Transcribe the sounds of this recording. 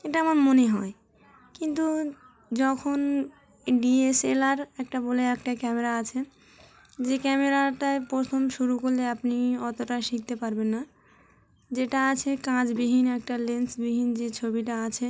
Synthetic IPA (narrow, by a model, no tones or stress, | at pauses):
eʈaamaɾmoneɦɔe | kint̪u | d͡ʑɔkʰon | ɖieselaɾɛk̚ʈaboleɛkʈakɛmeɾaat͡ɕʰe | d͡ʑekɛmeɾaʈapɾot̪ʰomʃuɾukoɾleapniɔt̪oʈaʃik̚t̪epaɾbenːa | d͡ʑeʈaat͡ɕʰekãd͡ʑbiɦinɛk̚ʈalensbiɦind͡ʑet͡ɕʰobiʈaat͡ɕʰe